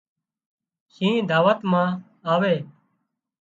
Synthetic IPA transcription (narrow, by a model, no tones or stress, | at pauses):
sĩːd̪ʱaːʋət̪mãː | aːʋeː